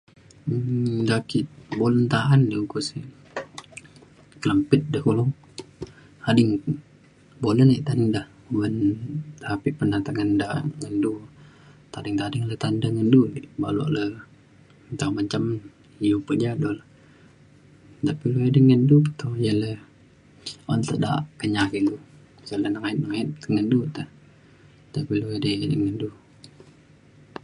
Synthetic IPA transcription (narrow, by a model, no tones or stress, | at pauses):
dakiʔbolənt̪aandiukusi | kələmpɪt̪̚dəhkulɔŋ | adiŋ | boləniʔt̪adiŋdah | wənt̪ʰapipənat̪aŋəndaŋəndu | t̪adɪŋt̪adəŋlət̪andaŋənduliʔbaluʔlə | nt̪aŋbəɲt͡ʃam | ijupəd͡ʒadolə | t̪apiluadəŋəndupə̥t̪ojələ | ɔnt̪əʔda̰ʔkəɲakindu | sələnəŋait̪nəŋait̪̚kəŋəndut̪əh | t̪apiloadədəŋəndu